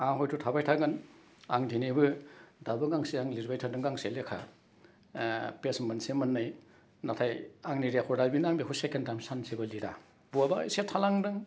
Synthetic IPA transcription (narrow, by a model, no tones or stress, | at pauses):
aɦɔjtʰutʰabajtʰaɡɯn | aŋdinibɯdabɯɡaŋsiaŋliɾbajtʰadɯŋɡaŋselekʰa̰ | pesmansemɯnːɯj | natʰajaŋniɾekʰɔdabinaŋbiɦusekentamsansibɯliɾa | b̥uaba̰setʰalaŋdɯŋ